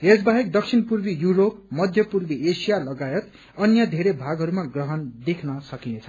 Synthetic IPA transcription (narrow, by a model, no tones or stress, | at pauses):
ed͡zbaɦekd̪ʌk̚sʰinpurbijuɾop̚mʌd̪ʱjʌpurbiʔesijalʌɡajʌt̪ | ʌnjʌd̪ʱeɾebʱaɡɦʌɾumaɡrʌɦʌnd̪ekʰnʌsʌkinet͡sʰʌ̥